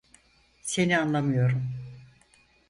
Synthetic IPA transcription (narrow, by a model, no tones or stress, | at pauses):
se̞nianlˠamɯjo̞ɾum